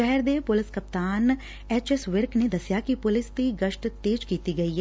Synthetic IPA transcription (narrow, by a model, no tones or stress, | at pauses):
ʃɛɦɛɾd̪epʊlɪskɐp̚t̪aːn | ɛːt͡ʃɛsʋɪɾkned̪əsjakipʊlɪst̪iɡəʃʈt̪eːd͡ʒkiːt̪iɡɐiːɦɛː